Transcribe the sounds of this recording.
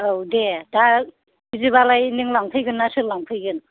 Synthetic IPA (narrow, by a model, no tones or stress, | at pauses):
owdeda | bizɯβalajnɯŋlaŋpʰɯjɡɯnːasɯlaŋpʰɯjɡɯn